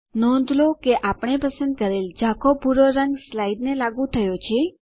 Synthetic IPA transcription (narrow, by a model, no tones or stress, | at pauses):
nɔ̃nd̪ʱlokeʔapɳ̃epəsənd̪̚kəɾeld͡ʒakʰopuɾoɾəŋɡslaiɖnelaɡũt̪ʰəjot͡ʃʰe